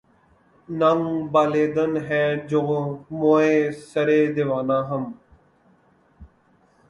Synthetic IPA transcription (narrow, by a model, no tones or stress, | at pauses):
nəŋbaːleːd̪ənɦɛːd͡ʒoːmoːẽːsəɾeːd̪ɪʋaːnãːɦəm